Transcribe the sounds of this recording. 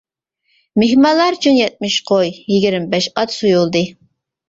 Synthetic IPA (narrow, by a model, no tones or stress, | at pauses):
mehmɑlˠɑɾt͡ʃʰunjɛt̪̚mɪʃqʰojːiɡʲiɾmbɛʃɑt̪sujulˠd̪ɨ